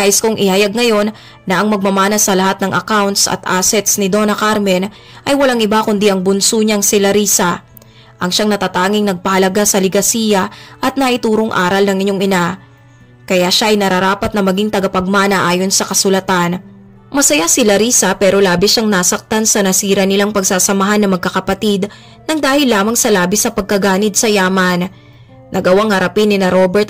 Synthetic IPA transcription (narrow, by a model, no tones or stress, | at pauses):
aʔɪskʊŋʔɪhɐjaɡ̚ŋɐjo̞nː | ɐʔɐŋmɐɡ̚mɐmaːnɐsɐlɐɦat̪̚nɐŋʔɐkawnt̪sɐ̰t̪ʔa̰ːsɛt̪snɪd̪o̞nɐkaɾmɛn | ʔɐjwɐlaŋʔɪbakʊnd̪iʔɐŋbʊnsuɲaŋsɪlɐɾiːsɐ | ʔɐŋʃaŋnɐt̪at̪aːŋɪŋnɐɡ̚pɐhɐlɐɡasɐlɪɡɐsiːjɐʔɐt̪̚nɐʔɪt̪uːɾoŋʔa̰ːɾɐlnɐŋɪɲːoŋɪna | kɐjaʃaʔɐjnɐɾɐɾaːpɐt̪̚nɐmɐɡiŋt̪ɐɡɐpɐɡ̚maːnɐʔaːjo̞nsɐkɐsʊlɐt̪an | mɐsɐjasɪlɐɾiːsɐpɛːɾo̞laːbɪʃaŋnaːsɐk̚t̪ansɐnɐsiːɾɐnɪlaŋpɐɡ̚saːsɐmɐɦanːɐmɐɡ̚kɐkɐpɐt̪id̪ | nɐŋd̪aːhɪlːaːmɐŋsɐlaːbɪsɐpɐɡ̚kɐɡaːnɪd̪̚sɐjaːmɐnː | ɐɡɐwaŋhɐɾɐpinːɪnɐɾobɛɹt̪